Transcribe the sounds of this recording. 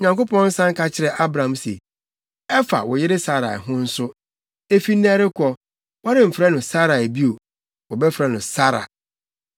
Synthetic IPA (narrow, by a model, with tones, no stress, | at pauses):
ɲã˨ŋko˦pʰɔ̃˦n̩˦sã˦ŋ̩˦kʰa˦t͡ɕʰɪ˦ɾɛ˨ʔa˦bɾã˨˦msḛ˨ | ɛ˦fa̰˨wɔ˨jɪ˦ɾɪ˦sa˦ɾa̰˨ɛ̰˨ɦʊ̃˦n̩˦sʊ˦ | e˦˨fi˦nː˦ã˦ɾɪ˦kʰɔ˦ | wɔ˦ɾɪ̃˨m̩˨fɾɛ˦nʊ̃˨sa˦ɾa˨e˨bi˦o˨ | wɔ˨bɛ˦fɾɛ˦nʊ̃˨sa˦ɾa̰˨